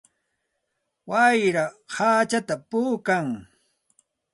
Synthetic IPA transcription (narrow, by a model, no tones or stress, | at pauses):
wajɾahat͡ʃat̪apuːkaŋ